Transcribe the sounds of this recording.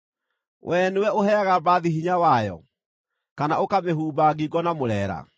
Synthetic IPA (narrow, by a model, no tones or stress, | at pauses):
wʔɛnuwɛoɦɛaɣabaðiɦiɲawajɔ̰ | kanaokameɦuːbaɡiɡɔnamoɾɛːɾa̰